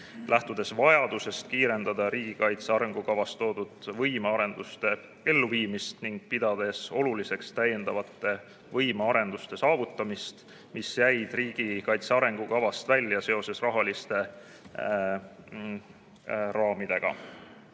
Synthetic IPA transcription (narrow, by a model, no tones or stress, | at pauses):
lʔæht̪ud̪̥e̞svɑjɑd̪̥use̞st̪̚kiːɾe̞nd̪̥ɑd̪̥ɑɾiːɡ̥ikɑjt̪seɑɾe̞ŋɡ̥ukɑvɑst̪o̞ːd̪̥ud̪vɤjmeɑɾe̞nd̪̥ust̪e̞ | e̞lːuviːmist̪niŋɡ̥̚pid̪̥ɑd̪̥e̞so̞lulise̞kst̪æjːe̞nd̪̥ɑvɑt̪ːˑe̞ | vɤjmeɑɾe̞nd̪ust̪e̞sɑːvut̪ːˑɑmist̪ | misjæjd̪̥riːɡ̥ikɑjt̪seɑɾe̞ŋɡ̥ukɑvɑst̪vælʲːjɑse̞o̞se̞srɑɦɑlist̪e̞ | rɑːmid̪̥e̞ɡ̥ɑ̰